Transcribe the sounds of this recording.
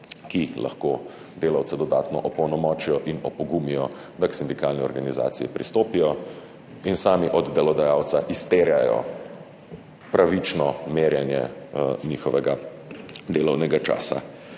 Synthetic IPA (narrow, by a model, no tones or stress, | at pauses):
kilʔa̰xkoː | d̪eːlawt̪sɛd̪ɔd̪a̰ːt̪nɔʔɔpɔwnɔmɔːt͡ʃijɔʔinɔpɔɡumijɔ | d̪aksind̪ikaːlniɔɾɡaniza̰ːt̪sḭjḭpɾist̪oːpijɔ | insaːmiʔɔd̪d̪ɛlɔd̪ajaːwt̪saʔist̪eːɾjajɔ̰ | pɾaʋit͡ʃnɔmeːɾjanjɛ̰niːxɔʋɛɡa | d̪eːlɔwnɛɡat͡ʃa̰ːsa̰